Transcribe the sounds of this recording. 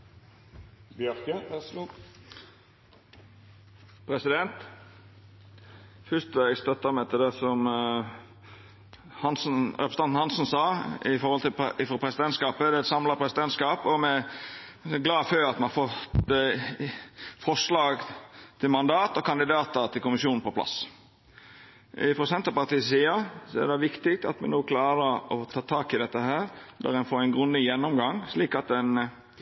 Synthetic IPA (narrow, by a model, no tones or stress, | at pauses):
b | pʰɾɛsɪd̪ɛnt̪ | fʏst̪ʋæɪɡst̪œt̪ːəmɛt̪ʰɪld̪ɛsɔm | hɑnsn̩œ̰pst̪ɑnn̩hɑnsn̩sɑːɪfɔɾhɔlt̪ɪɪfɔpʰɾɛsɪd̪ɛnt̪skɑːpəɛɛt̪sɑmlɑʁpʰɾɛsɪd̪ɛnt̪skɑːpɔmɛ | ɡlɑːføːɾɑt̪mɛnhɑɾfɔt̪ | fɔʂlɑːɡt̪ʰɪlmɑnd̪ɑːt̪ɔkʰɑnd̪ɪd̪ɑːt̪əɾt̪ʰɪlkʊmɪsjuːnn̩pɔpʰlɑ̰s | ɪfɔsɛnt̪əpɑɾt̪iːssiːəsɔɛ̰ɾd̪ɛʋɪkt̪ɪk̚t̪ɑ̰t̪mɛ̰noːkʰlɑːɾəɾɔt̪ʰɑːt̪ʰɑːkɪd̪ɛt̪ːəɦæːɾd̪æ̰ɾɛnfoːɾænɡɾʉnd̪ɪjɛnːɔmɡɑŋsliːkɑt̪ɛn